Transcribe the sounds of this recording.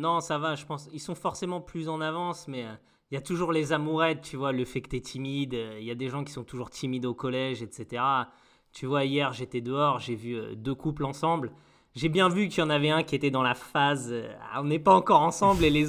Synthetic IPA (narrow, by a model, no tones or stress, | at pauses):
nɔ̃savaʒəpɑ̃silsɔ̃fɔʁsemɑ̃plyzɑ̃navɑ̃smɛø | iljat̪uʒuʁlezamuʁɛt̪̚t̪yvwaləfɛkət̪ɛt̪ʰimid̪øiljad̪eʒɑ̃kʲi̥sɔ̃t̪uʒuʁt̪ʰimid̪okɔlɛʒɛt̪set̪eʁa | t̪ʰyvwaijɛʁʒet̪ɛd̪əɔʁʒevyø̰d̪økuplɑ̃sɑ̃bl | ʒebjɛ̃vykət̪yjɑ̃navɛɛ̃kʲiet̪ɛd̪ɑ̃lafazø̰a̰ɔ̃nɛpaɑ̃kɔʁɑ̃sɑ̃blele